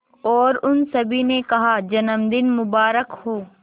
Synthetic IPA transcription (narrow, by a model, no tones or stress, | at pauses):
ɔːɾʊnsɐbʱinekɐɦad͡ʒɐnəmd̪ɪnmʊbaːɾəkhoː